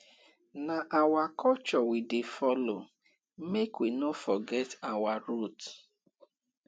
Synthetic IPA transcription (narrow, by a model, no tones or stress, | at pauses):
naʔawakʰɔt͡ʃɔwidefɔlo̰ | mekwinofɔɡɛtawaɾut